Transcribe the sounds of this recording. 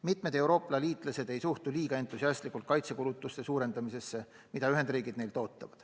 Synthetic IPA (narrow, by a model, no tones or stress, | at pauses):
mit̪me̞d̪̥e̞wɾo̞ːplɑliːt̪ˑlɑse̞d̪e̞jsuht̪uliːɡ̥ɑe̞nt̪ˑːusiɑst̪likːˑult̪̚kɑjt̪se̞kulut̪ːˑust̪e̞suːɾe̞nd̪ɑmise̞sːe̞ | mid̥̪ɑyɦe̞nd̪riːɡid̪ne̞jlt̪o̞ːt̪ːˑɑvɑd̪̥